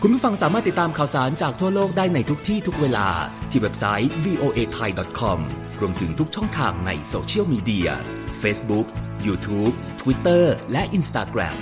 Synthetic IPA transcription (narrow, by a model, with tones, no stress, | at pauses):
kʰu˧npʰuː˥˩fa˧ŋsaː˩˦maː˥˩t̪ːi˨˩t̪ːaː˧mkʰaː˨˩wsaː˩˦nt͡ɕaː˨˩k̚t̪ʰu˥˩ɐloː˥˩k̚daː˥˩jna˧jt̪ʰu˦˥k̚t̪ʰiː˥˩t̪ʰu˦˥k̚weː˧la̰ː˧t̪ʰiː˧˩we˦˥p̚sa˦˥jwiː˧ʔoː˧ʔeː˧t̪ʰa˧jdɔ˨˩t̪̚kʰɔ˧m | ɾu˧əmt̪ʰɯ˩˦ŋt̪ʰu˦˥k̚t͡ɕʰɔ˥˩ŋt̪ʰaː˧ŋna̰˧jsoː˧t͡ɕʰi˥ə˨wmiː˧di˧ɐ̰ | feː˦˥sbu˦˥k̚juː˧t̪ʰuː˦˥p̚t̪ʰwi˦˥t̪ːɤː˥˩lɛ˦˥ʔi˧nst̪aː˧kɾɛ̰˨˩m